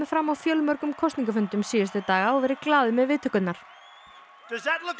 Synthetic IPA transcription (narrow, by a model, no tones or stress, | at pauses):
ɪfɾamawfjœlmœɾkʏmkʰɔst̪niŋkafʏnt̪ʏmsiːʏst̪ɪt̪aːɣaɔvɛɾɪklaːðʏmɛðvɪːt̪ʰœkʏt̪naɾ̥ | d̥ʌzðətˡlʊk